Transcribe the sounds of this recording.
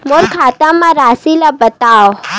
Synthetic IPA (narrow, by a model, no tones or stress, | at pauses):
molkʰaːt̪ãmãɾaːsilabət̪aːo